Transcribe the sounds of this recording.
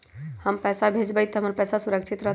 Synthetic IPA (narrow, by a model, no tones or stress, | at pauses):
həmpɛsabʱed͡ʒbəjt̪ɦəməɾpɛsasuɾəkt͡ʃʰit̪ɾə